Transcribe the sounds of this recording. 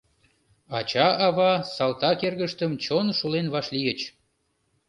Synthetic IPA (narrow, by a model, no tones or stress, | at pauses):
ɑt͡ɕɑʔɑβɑsɑlt̪ɑkerɣəʃt̪əmt͡ɕonʃulenβɑʃlijət͡ɕ